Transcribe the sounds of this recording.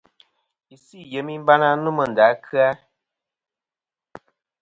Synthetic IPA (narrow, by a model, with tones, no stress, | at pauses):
i˨si˦˨je˨˦mi˦m̩˦ba˦na˦nu˦mə˨n̩˨da˨˦kʰɨ˦a˦